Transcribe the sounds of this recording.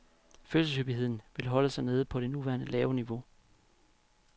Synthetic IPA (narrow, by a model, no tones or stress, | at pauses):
føːlsəsyb̥iɦe̝ð̞̰ˠn̩ʋe̝lɦɒ̽ləsɑ̈ɪne̝ːðˠəpʰɒ̽ɾ̥e̝nuʋæɐnəlɛːʊniʋo̝